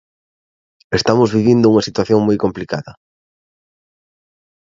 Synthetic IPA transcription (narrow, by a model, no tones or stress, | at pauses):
est̪amʊzβiβind̪ʊuŋɐsit̪waθjoŋmojkomplikaðɐ